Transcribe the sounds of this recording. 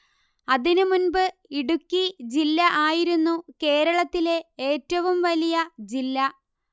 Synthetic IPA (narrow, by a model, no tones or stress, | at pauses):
ɐðinumunbɨ | iɽukʲːid͡ʑilːɐʔaːjiɾunːuke̞ːɾɐɭɐt̪ːile̞eːtːɐʋumʋɐlijɐd͡ʑilːɐ